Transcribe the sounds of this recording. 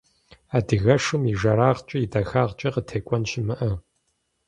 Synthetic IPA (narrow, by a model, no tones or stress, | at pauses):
aːdɨɣɐʂɨmiʒɐɾaːʁt͡ʃʼɐjidɐxaːʁt͡ʃʼɐqətʰeːkʷʼɔnʃɪmɨʔɐ